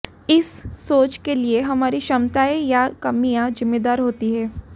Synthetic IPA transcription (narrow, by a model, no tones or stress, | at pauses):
ɪsːoːt͡ʃkelieɦɐmaːɾiʃɐmt̪aːijakɐmːijãd͡ʒɪmːeːd̪aːɾɦoːt̪iɦɛː